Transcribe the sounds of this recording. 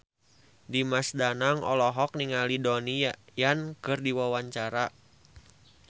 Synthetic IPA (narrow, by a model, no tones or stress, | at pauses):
dimasdanaŋɔ̰lɔɦɔk̚niŋalidɔnijankɨrdiwawaɲt͡ʃaɾa